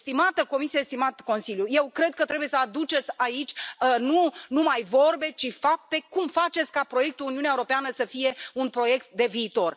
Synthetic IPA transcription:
st̪imat̪əko̞misiest̪imat̪ko̞nsiljuje̞wkɾe̞d̪̚kət̪ɾe̞buje̞səad̪ut͡ʃe̞t̪sʲait͡ʃʲnunumajvo̞rbe̞t͡ʃifap̚t̪e̞kumfat͡ʃet̪sʲkapɾo̞je̞k̚t̪uuniuneaewuɾo̞peanəsəfije̞unpɾo̞je̞k̚t̪̚d̪e̞viːt̪o̞r

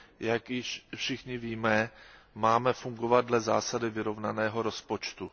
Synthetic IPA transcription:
jakjɪʃfʃɪxɲɪviːmɛ | maːmɛfuŋɡo̞vad̪̚dlɛza̰ːsadɪvɪɾo̞vnanɛːɦo̞ɾo̞spo̞t͡ʃt̪u

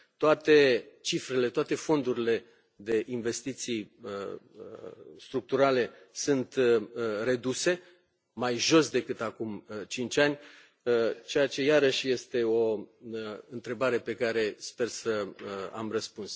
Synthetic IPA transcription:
t̪oat̪e̞t͡ʃifɾe̞le̞t̪oat̪e̞fo̞nd̪uɾile̞ | d̪e̞ʔinve̞st̪it̪sijə | st̪ɾuk̚t̪uɾale̞sunt̪re̞d̪use̞ | majʒo̞sd̪e̞kɨt̪akumt͡ʃint͡ʃʲanʲ | ət͡ʃe̞jat͡ʃe̞jaɾəʃʲje̞st̪e̞o̞ | ɨnt̪ɾe̞baɾe̞pe̞kaɾe̞spe̞rsəa̰mrəspuns

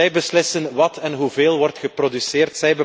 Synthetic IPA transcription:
ɛjbəslɪsənʋɑtɛnɦuveːlˠʋɔrtxəprodysɪːrtsɛjbə

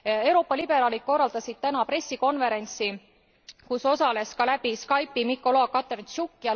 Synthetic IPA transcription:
e̞wɾo̞ːpːˑɑlib̥e̞ɾɑːlit̪̚ko̞rːɑld̪̥ɑsid̪̥t̪ænɑpɾe̞sʲːiko̞nve̞ɾe̞nʲt̪si | kuso̞sɑle̞skɑlæb̥iskɑjpːimikːˑo̞loɑkɑt̪ːˑert͡ʃukːiɑ

